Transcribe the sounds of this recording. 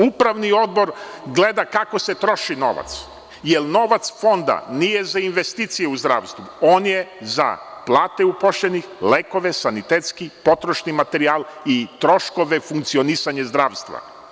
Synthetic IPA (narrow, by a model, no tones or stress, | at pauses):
upɾaʋnio̞d̪̚bo̞ɾ | ɡle̞d̪akako̞se̞t̪ɾo̞ʃino̞̰ʋa̰t̪s | jelno̞ʋat̪sfo̞nd̪a̰nijezainʋe̞st̪iːt̪sijeuzd̪ɾa̰ːʋst̪ʋuoːnjeza̰plˠaːt̪eupoʃlenixleːko̞ʋesanit̪eːt̪skipo̞t̪ɾoʃnimat̪e̞ɾiaːlit̪ɾo̞ʃko̞ʋe̞fuŋkt̪sio̞nisaɲezd̪ɾaːʋst̪ʋa̰